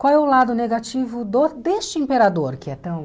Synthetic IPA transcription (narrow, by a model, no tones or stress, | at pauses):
kwawɛʊlad̪ʊneɡat͡ʃivʊd̪od̪est͡ʃɪĩmpeɾad̪oɾkɪɛt̪ɐ̃w̃